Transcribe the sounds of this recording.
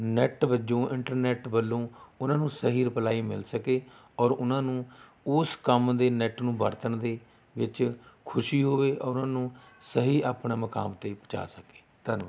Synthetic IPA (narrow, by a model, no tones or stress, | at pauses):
nɛʈbəd͡ʒõːʔɪ̃ɳʈəɾnɛːʈbəlːõːʊnãːnũːsəɦiːɾpəlaːiːmɪ̰lsəkeː | ɔːɾʊnãːnũː | ʊskəmd̪eːnɛːʈnũːbəɾt̪əɳd̪eː | ʋɪt͡ʃkʰʊʃiːɦoːʋeːʔɔːɾnãːnũːsəɦiːaːpɳaːməka̰ːmt̪eːpət͡ʃa̰ːsəke̥ːt̪ən